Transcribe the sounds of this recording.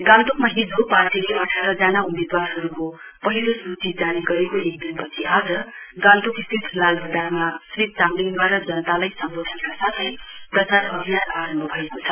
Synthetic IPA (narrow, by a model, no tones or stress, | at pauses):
ɡãnt̪okmaɦid͡zʱɦopatʰileʔʌʈʰaɾʌd͡zanaumed̪waɾɦʌɾuko | pʌɦiɾosut͡sid͡zaniɡʌɾekoek̚d̪inpʌt͡sʰiad͡zʌɡãnt̪okist̪ʰit̪ɦilalbʱʌd̪armasrit̪̚t͡samlinbaɾʌd͡zʌnʌt̪alajsʌmbot̪ʰʌnkasat̪ʰʌjprʌt͡sarʌbʱijanaɾʌmbʱʌbʱʌekot͡sʰʌ